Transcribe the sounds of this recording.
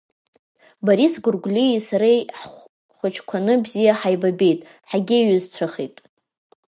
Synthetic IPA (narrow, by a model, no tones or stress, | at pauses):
baɾisɡʊrɡʷlʲiisaɾejħ | χʷat͡ʃʰkʷʰanɨbzijaħajbabe̞jtʼ | ħaɡʲɪɥɨzt͡sʷʰaχitʼ